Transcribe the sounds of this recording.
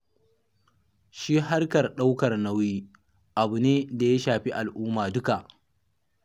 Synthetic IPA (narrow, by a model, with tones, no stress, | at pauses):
ʃiː˦ɦa˦rkɐ˨rɗa˦wkɐ˨rna˦wjiː˦ | ʔa˨bu˨neː˦da˨ja˦ʃaː˨ɸi˦ʔa˨lʔʊː˦maː˨dʊ˦ka˨ʔ